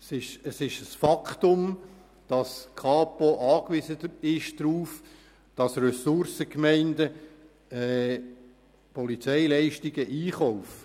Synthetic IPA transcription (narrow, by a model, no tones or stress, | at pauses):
sɪʃəsɪʃəsfɑkχtʊm | d̥ɑskʰɑːpoʔɑːkʋizəɪʃd̥ɾuːf | d̥ɑsrɛsʊɾsəkmɛɪndə | ɛ | pʰɔlit͡sɛɪlɛɪʃtiɡ̥əʔiːχɔʊf